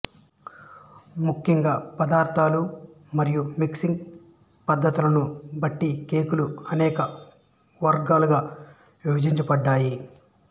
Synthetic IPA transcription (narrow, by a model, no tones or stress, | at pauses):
mukʰːjɐŋɡaːpɐd̪aːɾt̪ʰaːlu | mɐɾijumiksiŋɡ | pɐd̪ːɐt̪ulɐnubɐʈːikeːkuluɐnɛːkɐ | ʋɐɾɡaːluɡaː | ʋibɐd͡ʒiɲt͡ʃɐpɐɖːaːji